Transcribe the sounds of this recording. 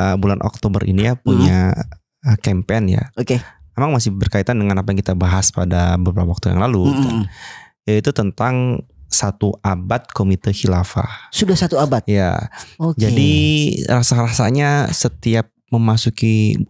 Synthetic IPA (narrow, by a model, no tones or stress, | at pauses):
əbulanʔɔ̰k̚t̪obərʔḭnijapuɲa | əkɛmpɛnja̰okememaŋmasɪhbərkait̪andəŋanapajaŋkit̪abaɦaspada̰bəbəɾapawak̚t̪uja̰ŋlaluka | jait̪ut̪ənt̪aŋsat̪uabat̪̚komit̪əhilafa̰hsudahsat̪uabat̪ija̰od͡ʒadirasarasaɲasət̪iap̚məmasuki